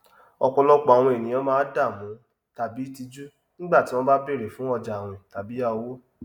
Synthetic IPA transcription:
ɔ˧kɔ˧lɔ˦k͡pɔ˨a˨w̃ɔ̃˧e˨nĩ˨j̃ã˨˧˦mãː˦da˦˨mũ˨˦ | ta˨bi˨˦ti˧d͡ʒu˦ | nĩ˦ɡ͡ba˦˨ti˦w̃ɔ̃˦ba˦be˦˨ɾe˨fũ˦ɔ˦˧˨d͡ʒa˨w̃ɛ̃˨ta˨bi˨˦a˦˧o˧wo˦

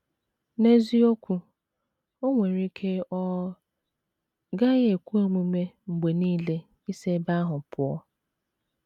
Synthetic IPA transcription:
ne˦zi˦o˦kʷu˦ | o˦ŋʷe˨ɾi˦kʰe˦ʔɔ˦ | ɡa˦ɣe˨kʷu˦o˦mu˦me˦ŋ͡m̩˨ɡ͡be˨niː˦le˦ | i˦se˦ba˦a˦ɦʊ˨pʊ˨ɔ˦

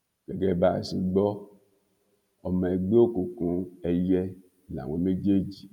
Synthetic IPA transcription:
kɛ˨ɡɛ˦˨ba˨si˨ɡ͡bɔ˦ | ɔ˨me˨ɡ͡be˦o˦ku˨kũ˨˦ɛ˨jɛ˦˨ | la̰˨wʷe˨˦me˦d͡ʒe˦d͡ʒi˨

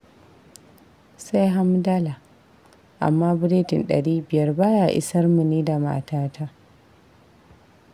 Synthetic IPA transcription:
sa˦jɦa˦mda˦la˨ | ʔa̰˨mːaː˦bʊ˦ɾeː˦tɪ˨nɗɐ̰˨ɽiː˦bɪ˨jɐ˦rbaː˦ja˨ʔɪ̰˦sɐ˦rmu˨neː˦da˨ma̰˨taː˦tʰa˦

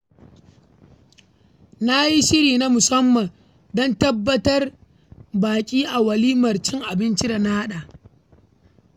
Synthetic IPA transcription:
na˦ji˦ʃɪ˦ɽiː˨na˦mʊ˨sɐ˦mːɐ˨n | dɔ˦ntɐ˦bːɐ˦tɐ˦r | baː˨kʲʼiː˦ʔa˨wɐ˨liː˦mɐ˨rt͡ʃɪ˦ŋʔa˨bɪ˦nt͡ʃi˦da˨na˦ha˦ɗa˨ʔ

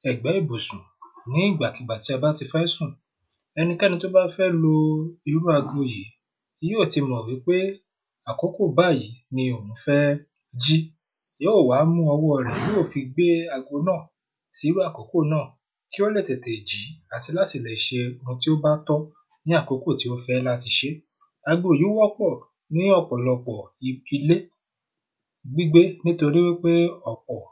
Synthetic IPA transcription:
ɛ˨ɡ͡bɛ˨˦i˦˨bo˨sũ˨nĩ˨˦i˦˨ɡ͡ba˨ki˨ɡ͡ba˨ti˨˦a˧ba˦ti˧fɛ˦sũ˦˨ | ɛ˧nĩ˧kɛ˦nĩ˧to˦ba˦fɛ˦lo˦i˧ɾu˦a˧ɡo˧je˨˦ | i˧˦je˦o˦˨ti˧mɔ̃˨wi˨˦k͡pe˦ | a˨ko˨˦ko˦˨ba˦˨ji˨˦nĩ˧o˨mũ˨˦fɛ˦ | d͡ʒi˦ | jo˦o˦˨wa˨˦mũ˦ɔ˧wɔ˦ɔ˨ɾɛ̃˨je˦o˦˨fi˧ɡ͡be˦a˧ɡo˧nãː˦˨ | si˨˦ɾu˦a˦˨ko˨˦ko˦˨nãː˦˨ | ki˦o˦lɛ˦˨tɛ˨te˨d͡ʒi˨˦a˦˨ti˧la˦ti˦˨lɛ˨i˨ʃe˧˦ɾũ˧ti˦o˦ba˦tɔ˦ | nĩ˦a˦˨ko˨˦ko˦˨ti˨˦o˦fɛ˦˧la˦ti˧ʃe˦ | a˧ɡo˨ju˨˦wɔ˦k͡pɔ˦˨ | nĩ˦ɔ˦˨k͡pɔ˨lɔ˧k͡pɔ˨˧i˧le˦ | ɡ͡bi˦ɡ͡be˦nĩ˦to˧ɾi˦we˦k͡pe˦ɔ˨k͡pɔ˨

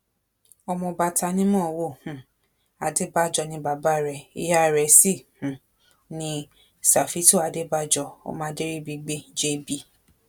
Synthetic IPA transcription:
ɔ˧mɔ̃˧ba˧ta˧nĩ˦mɔ̃ː˦˨wo˦˨hũ˨ | a˨de˦ba˦˨d͡ʒɔ˧nĩ˧˦ba˨ba˦˨ɾɛ˧˨ḭ˦ja˦˨ɾɛ˨˧si˦˨hũ˨ | nĩ˦ | sa˨fi˦to˦˨a˨de˦ba˦d͡ʒɔ˧o̰˦mã˦de˦ɾi˦bi˧ɡ͡bi˦˨˦d͡ʒe˦bi˧˦

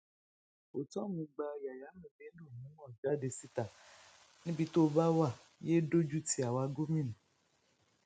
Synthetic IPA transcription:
o˨tɔ˦mĩ˧ɡ͡ba˧ja˨ja˨˦mĩ˨be˦no˦˨nũ˨˦wɔ̃˦˨d͡ʒa˨˦de˨si˦t̪a˨ | nĩ˦bi˧t̪o˦ba˦wa˦˨ | je˦ɖo˦d͡ʒu˦ti˨˦a˨wa˧ɡo˦mĩ˦nũ˨

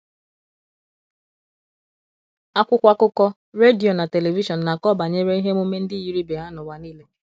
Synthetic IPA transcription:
a˦kʷʊ˦kʷa˦kʊ˦kɔ˦ | ɾe˦di˨o˨na˨te˨le˨vi˦ʃɔ˨n̩˨na˨kɔ˦ba˨ɲe˦ɾe˦i˦ɦe˦m˦o˦me˦n̩˦dɪ˦˨ji˦ɾi˦be˨ɦa˦nʊ˨wa˨ni˦le˦

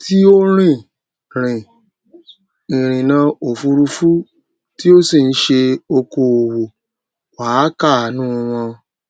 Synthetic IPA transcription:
tʰi˦o˦ɾ̃ĩ˦˨ | ɾ̃ĩ˨ | i˨ɾ̃ĩ˨nã˨˦o˨fu˧ɾu˧fu˦ | ti˦o˦si˦˨n̩˦ʃe˧o˧ko˨o˨wo˨ | waː˨˦ka˦˨nũ˦˧wɔ̃˧

